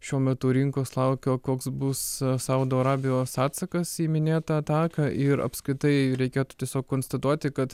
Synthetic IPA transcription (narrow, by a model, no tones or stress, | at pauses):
ʃʲuɔmʲɛt̪ʊɾʲɪŋkoːslˠɐʊkʲoːkoːksbʊssɐʊd̪oːɐɾɑːbʲɪjoːsɑːt̪sɐkɐsiːmʲɪnʲeːt̪ɐɐt̪ɑːkɐʔɪɾɐ̰pskɾʲɪt̪ɐɪɾʲɛɪkʲeːt̪ʊ̥t̪ʲiɛsʲoːkkoːnst̪ɐt̪uɔt̪ʲɪkɐt̪